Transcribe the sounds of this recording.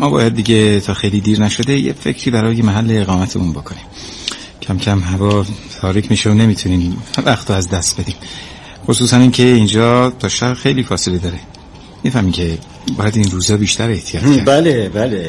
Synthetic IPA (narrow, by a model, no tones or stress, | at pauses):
mɒːbɒ̰ːjæd̪̚ːiɟe̞t̪ʰɒːxejliːd̪iːɾnæʃo̞d̪e̞jḛfe̞̰cʰɾiːbæɾɒːjemæɦælːe̞ːɣɒːmæt̪ʰḛmunbo̞kʰo̞nim | cʰæmcʰæmɦævɒːt̪ʰɒːɾiːcʰmiːʃeone̞miːt̪ʰuniːmvæxt̪ʰoæzd̪æst̪̚be̞d̪iːm | xosuːsæniːncʰe̞iːnd͡ʒɒːt̪ʰɒːʃæbxe̞jliːfɒːse̞led̪ɒːɾe | mifæhmiːcʰe̞ | bɒ̰ːjæd̪inruːzɒːbiːʃt̪ʰæɾe̞ht̪ʰijɒːtobælebæle